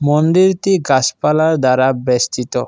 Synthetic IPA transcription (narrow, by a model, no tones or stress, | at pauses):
mond̪iɾt̪iɡaspalaɾd̪aɾabest̪it̪o